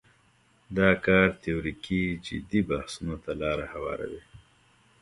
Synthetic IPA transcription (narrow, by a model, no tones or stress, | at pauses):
d̪ɑkɑːɾt̪ewɾikid͡ʒɪ̰d̪ibahsunot̪alɑːɾahawɑ̰ːɾa̰wi